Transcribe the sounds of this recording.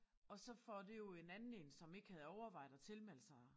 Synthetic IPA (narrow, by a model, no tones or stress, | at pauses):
ɒ̽sɒ̽fɒd̥e̝jo̝e̝nænn̩e̝nsɒ̽me̝ɡ̥əhæð̞̩ˠɒʊɐʋɑ̈ɪ̰d̥̩ˠɐt͡sʰe̝lmel̰sɑɪ